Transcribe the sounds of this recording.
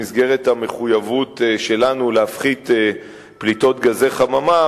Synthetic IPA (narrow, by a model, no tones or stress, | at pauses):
isɡe̞ʁethame̞χujavutʃe̞lanuleafχit̪ː | plit̪o̞t̪ɡaze̞χamama